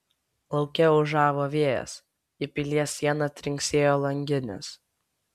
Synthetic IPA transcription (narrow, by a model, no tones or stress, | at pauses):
lˠɒʊkʲɛʊʒɑːʋoːʋʲiɛjɛ̰s | ɪpʲɪlʲiɛsʲiɛnɐt̪ʲɾʲɪŋʲksʲeːjoːlˠɐŋʲɡʲɪnʲɛ̰s